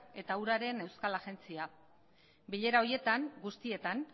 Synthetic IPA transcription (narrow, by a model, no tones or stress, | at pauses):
e̞t̪auɾaɾe̞ne̞wskalaɣe̞nt͡sia | biʎe̞ɾao̞ɾje̞t̪aŋɡust̪ie̞t̪an